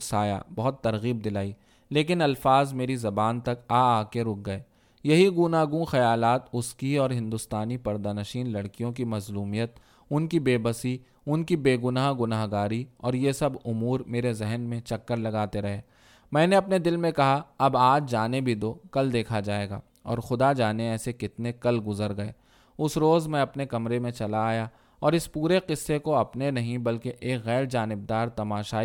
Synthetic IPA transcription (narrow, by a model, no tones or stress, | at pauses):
saːja̰bɐɦʊt̪ːɐɾɣiːb̚d̪ɪlaːi | leːk̬ɪnɐlfaːzmeːɾizɐbaːnt̪ɐkaːaːkeɾʊk̚ɡɐeː | jɐɦiɡʊnaːɡũxɐjaːlaːt̪ʊskiɔːɾɦɪ̃nd̪ʊst̪aːnipɐɾd̪anɐʃiːnlɐɽkijõk̬imɐzluːmijət̪ | ʊnkibeːbəsi | ʊnkibeːɡʊnaːɦɡʊnaːɦɡaːɾiɔːɾjesɐbʊmuːɾmeːɾezɛɦnmẽt͡ʃɐkːəɾlɐɡaːt̪eɾɐɦeː | mɛ̃ːneɐpned̪ɪlmẽkɐɦaɐbaːd͡ʒd͡ʒaːnebʱid̪oːkɐld̪eːkʰad͡ʒaːeːɡa̰ː | ɔ̰ːɾxʊd̪ad͡ʒaːneɛːsekɪt̪nekɐlɡʊzəɾɡɐḛː | ʊsɾoːzmɛ̃ɐpnekɐmɾemẽt͡ʃɐlaːja | ɔːɾɪspuːɾeqɪsːekoɐpnenɐɦĩbɐlkeʔeːkɣɛːɾd͡ʒaːnɪb̚d̪aːɾt̪ɐmaːʃaː